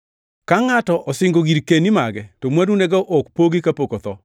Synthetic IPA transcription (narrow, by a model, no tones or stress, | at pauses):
kaŋatɔʔɔsɪŋɡoɡiɾkenimaɡɛtomwaduneɡaʔokpoɡikapokot̪ɔ